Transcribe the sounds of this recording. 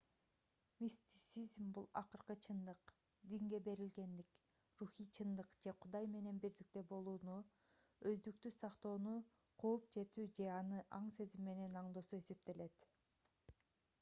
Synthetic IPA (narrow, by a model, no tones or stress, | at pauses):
mʲist̪ʲi̥t̪sizmbulˠɑ̰qɯɾqɯt͡ʃʰɯnd̪ɯq | d̪iŋɡe̞be̞ɾilɡe̞nd̪ik | ruxijt͡ʃʰɯnd̪ɯqd͡ʒe̞qʰud̪ɑjme̞ne̞nbiɾd̪ik̚t̪e̞bo̞lˠuːnu | øzd̪ykt̪ysɑqt̪o̞ːnu | qʰoːp̚d͡ʒe̞t̪yːd͡ʒe̞ɑnɯʔɑɴse̞zimːe̞ne̞nɑɴd̪o̞sue̞se̞p̚t̪e̞le̞t̪